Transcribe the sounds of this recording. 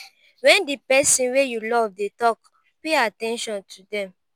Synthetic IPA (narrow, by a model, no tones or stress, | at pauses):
wɛ̃ndipɛsĩnwejulɔvdetɔk | peatɛ̃nʃɔ̃ntʰudɛ̃m